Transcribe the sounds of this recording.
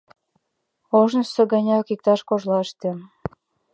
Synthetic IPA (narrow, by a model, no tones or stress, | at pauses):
oʒnəʃsɤ̆ɡə̆nʲɑkik̚t̪ɑʃkoʒlɑəʃt̪ĕ